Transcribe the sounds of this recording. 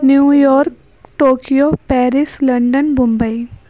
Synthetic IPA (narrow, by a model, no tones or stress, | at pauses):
njuːjɔːɾk | ʈoːkijopɛːɾɪslɐ̃ɳɖənbʊ̃mbəi